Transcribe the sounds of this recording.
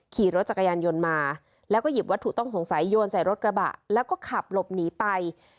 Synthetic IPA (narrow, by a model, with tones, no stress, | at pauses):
kʰiː˨˩ɾo˦˥t̪̚t͡ɕa˨˩ka˧jaː˧njo˧nmaː˧ | lɛː˦˥wkɔ˥˩ji˨˩p̚wa˦˥t̪ʰːu˨˩t̪ɔ˥˩ŋso˩˦ŋsa˩˦jːoː˧nsa˨˩jɾo˦˥t̪̚kɾa˧ba̰˨˩ʔlɛː˦˥wkɔː˥˩kʰa˨˩p̚lo˨˩p̚niː˩˦pa˧j